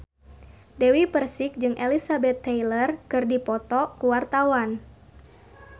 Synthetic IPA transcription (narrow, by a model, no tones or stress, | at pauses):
dɛwipərsik̚d͡ʒɨŋʔelisabɛt̪ːɛjlərkɨrdipɔt̪ɔkuwart̪awan